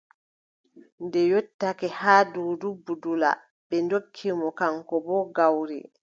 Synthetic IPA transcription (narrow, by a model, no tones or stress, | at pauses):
ndɛjotːakɛhaːdudubːudula̰ | bɛndokʰːimɔkaŋkɔbɔːɡawɾḭ